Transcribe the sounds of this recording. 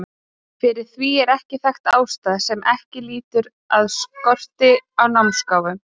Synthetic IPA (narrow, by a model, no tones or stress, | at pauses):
fɪɾɪɾ̥θviɛɾɛhcɪθɛxt̪aːwst̪aːðsɛmʔɛ̰hcɪliːt̪ʏɾ | aðskɔr̥t̪ɪawnawmskaːwvʏm